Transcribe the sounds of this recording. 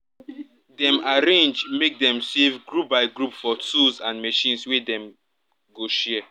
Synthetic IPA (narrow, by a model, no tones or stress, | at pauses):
dɛ̃maɹẽnd͡ʒmek̚dɛ̃msevɡɹup̚baɪɡɹupfɔtʰulzãnmeʃĩnswɛdɛ̃m | ɡoʃɛ